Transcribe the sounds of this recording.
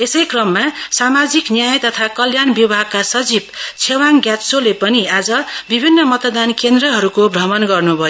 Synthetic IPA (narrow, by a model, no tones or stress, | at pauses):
esʌjkrʌmːasamad͡ziknjajt̪ʌt̪ʰakʌljanbibʱaɡ̚kasʌd͡zibt͡sʰewaŋɡjatsolepʌniad͡zʌbibʱinːʌmʌt̪d̪ankend̪rʌɦʌɾukobrʌmʌnɡʌrnubʱʌjo